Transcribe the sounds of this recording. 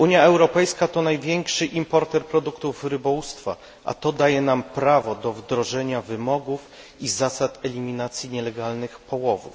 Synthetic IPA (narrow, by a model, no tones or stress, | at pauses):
uɲjaɛwɾɔpɛjskat̪ɔnajvʲjɛŋkʂɘʔimpɔɾt̪ɛɾpɾɔd̪ukt̪ufɾɘbɔwust̪fa̰ | ʔa̰t̪ɔd̪ajɛnampɾavɔd̪ɔvd̪ɾɔʐɛɲavɘmɔɡuf | izasat̪ɛlʲimʲinat̪sʲjiɲɛlɛɡalnɘxpɔwɔvṵf